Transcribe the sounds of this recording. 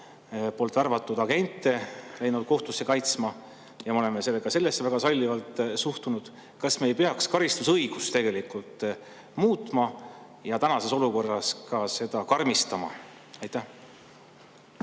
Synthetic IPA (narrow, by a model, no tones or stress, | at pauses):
po̞lt̪ːˑɑrvɑt̪ːˑud̪̥ɑɡe̞nt̪ːˑelejnud̪̥̚ko̞ht̪usːe̞kɑjt̪smɑ | jɑmeo̞le̞mese̞lːeɡ̥ɑse̞lːesːevæɡ̥ɑsɑlʲːivɑlt̪ˑsuht̪unud̪̥ | kɑsmeːjpeɑkskɑɾist̪usɤjɡ̥ust̪e̞ɡe̞likult̪ːˑ | muːt̪ˑmɑ | jɑt̪ænɑse̞so̞luko̞rːɑskɑse̞d̪̥ɑkɑrmist̪ɑmɑ̰ | ɑjt̪ːæh